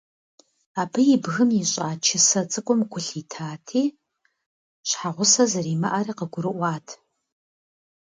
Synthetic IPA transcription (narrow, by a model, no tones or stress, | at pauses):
aːbɨjibɣɨmiɕʼaːt͡ʃʰɪsɐt͡sʼɨkʷʼɔmɡʷʊɬitʰaːtʰiː | ɕħaʁʷʊsɐzɐriːmɐʔaɾiːqəɡʷʊɾɨʔʷɑːtʰ